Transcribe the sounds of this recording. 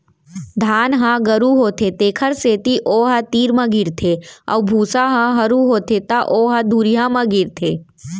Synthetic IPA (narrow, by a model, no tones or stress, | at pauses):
d̪ʱaːnɦãɡəɾuɦoːt̪ʰet̪eːkʰəɾseːt̪iʔoːɦɐt̪iːɾmɐ̃ɡɪɾt̪ʰeɐ̰wbʱuːsaɦãɦɐɾuɦoːt̪ʰet̪aʔoːɦɐd̪uːɾijãmãɡɪɾt̪ʰeː